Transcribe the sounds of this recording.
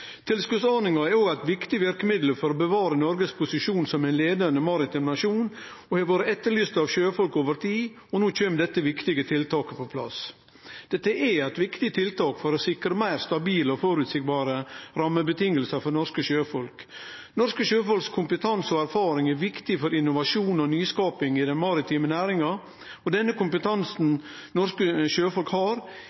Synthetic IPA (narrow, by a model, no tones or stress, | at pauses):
t̪ʰɪlskʉt̪sɑnɪŋɑɛɾoːɡæɪt̪ʋɪkt̪ɪʋæɾkəmɪd̪ləɾfɔɾɔbəʋɑːɾənɔɾɡəspʰʊsɪʃuːnsɔmæɪnleːd̪ənəmɑɾɪt̪ɪmnɑʂuːn | ɔhɛʋoːɾəɛt̪ːəɾɭyːst̪ɑʋʃøːfɔlkoːʋəɾt̪ʰiː | ɔnoːt͡ʃøːmd̪ɛt̪ːəʋɪkt̪ɪɡət̪ʰɪlt̪ʰɑːkəpʰɔpʰlɑ̰s | d̪̥ɛt̪ːəʔɛæɪt̪ʋɪkt̪ɪt̪ʰɪlt̪ʰɑːkfɔɾɔsɪkɾəmæɪɾst̪ɑbiːlɔfɔɾʉt̪sɪk̚bɑːɾəɾɑmːəbət̪ʰɪŋːəlsəfɔɾnɔʂkəʃøːfɔlk | nɔɾʂkəʃøːfɔlkskʰʊmpət̪ʰɑnsɔæɾfɑːɾɪŋæɾʋɪkt̪ɪfɔɾɪnːʊʋɑʂuːnɔnyːskɑːpɪŋɪd̪ɛnmɑɾɪt̪ʰiːmənæːɾɪŋɑ | ɔd̪ɛnːəkʊmpət̪ʰɑnsn̩ | nɔɾʂkəʃøːfɔlkhɑːɾ